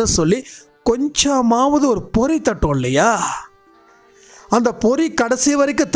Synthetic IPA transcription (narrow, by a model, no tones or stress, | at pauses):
ɯsɔlːi | kɔɲd͡ʒɐmaːʋɐðɯɔɾɯpɔɾit̪ːɐʈːõːɪlːɐjaː | ɐnd̪ɐpɔɾikɐɽɐsijɐʋɐɾɪk̬ːɯ̃t̪